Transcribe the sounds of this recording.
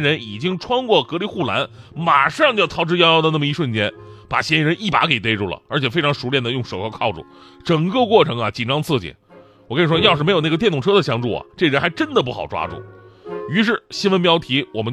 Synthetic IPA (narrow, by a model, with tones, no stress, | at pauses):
ɻə˧˥ni˨˩t͡ɕi˥ŋʈ͡ʂʰwɑ˥ŋkwɔ˥˩kɤ˧˥li˧˥xu˥˩la˧˥n | ma˨˩ʂɑ˥˧ŋt͡ɕjo˥˩t̪ʰɑ˧˥ʊʈ͡ʂɻ̩˥jjɑ˥d̪ə˧na˥˩mə˧i˧˥ʂwə˥˩nt͡ɕjɛ˥npa̰˨˩ɕjɛ˥˧ɻə˧˥ni˥˩pa̰˧˥ke˨˩ɪt̪̬e˥ɪʈ͡ʂu˥˩lə̰˩ə˞˧˥t͡ɕʰjɛ˨˩fe˥ʈ͡ʂʰɑ˧˥ŋʂu˧˥ljɛ˥˩nd̪ə˩jʊ˥˩ŋʂo˨˩ʊkʰkʰɑ˥˩ʊʈ͡ʂṵ˨˩ | ʈ͡ʂɤ˨˩ŋkɤ˥˧kwɔ˥˩ʈ͡ʂʰɤ˧˥ŋɐ˨t͡ɕi˨˩nʈ͡ʂɑ˥ŋt͡sʰɹ̩˥˩t͡ɕḭ˨˩˦n | wɔ˨˩kə˥ni˨˩ʂwɔ˥jɑ˥˧ʂɻ̩˥˩˧ɪjna˥˩ə˩t̪jɛ˥˩nt̪ʊ˨˩ʈ͡ʂʰɤ˥d̪ə˨ɕjɑ˥ŋʈ͡ʂṵ˥˩ɐ̰˨˩ʈ͡ʂɤ˥˩ɡə˧ɻə˥nxa˧˥ɪʈ͡ʂə˥nd̪ə˨p̬u˥˩xɑ˨˩ʊʈ͡ʂwa̰˥ʈ͡ʂṵ˥˩y˧˥ʂ̬ɻ̩˥˩ɕi˥nwə˧np̬jɑ˥ʊt̪ʰi˧˥wɔ˨˩mə˦nt͡ɕ